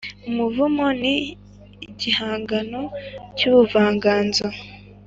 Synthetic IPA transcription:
umuvumoni | ɟihaːŋɡano̞cuβuvaːŋɡaːnzo

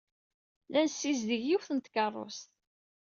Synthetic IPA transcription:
lænsːizðəʝjiwθənt̪kərˤːo̰st̪

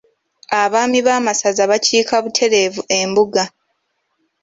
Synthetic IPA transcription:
aβaːmiβaːmasazaβaciːkaβutʰe̞ɾe̞vue̞mbuɡa

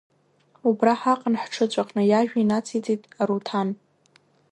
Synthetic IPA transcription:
ubraħaqʼənħʈ͡ʂʰɨt͡ɕʷʼaqʼnɨjaʒᶣainat͡sʰit͡sʼitʼaɾutʰan

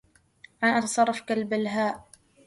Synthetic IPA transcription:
ʔanʔɑt̪ɑsˤɑrˤːɑfkalbalɦaːʔ

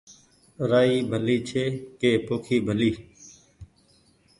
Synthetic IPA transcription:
ɾaːiːbʱəliːt͡ʃʰeːkeːpoːkʰiːbʱəliː

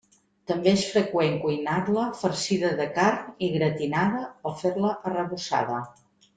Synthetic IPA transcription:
t̪əmbeesfɾəkweŋkujnaɾləfəɾsiðəðəkarniɣɾət̪inaðəəfeɾləʔərəβusa̰ðə

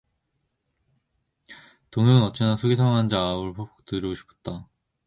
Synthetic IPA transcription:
toŋɯnɯnʌt͡ɕ͈ʰenasʰoɡisʰajoŋɦand͡ʑaɯɭpʰop̚t͈ɯɾoɡoɕʰi̥pʰʌ̥t̚t͈a

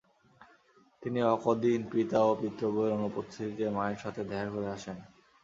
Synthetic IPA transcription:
t̪iniɔkod̪inpit̪aopit̪ːɾoboeɾonupot̪ʰːikemaeɾʃat̪ʰed̪ɛaɾkoɾeaʃen

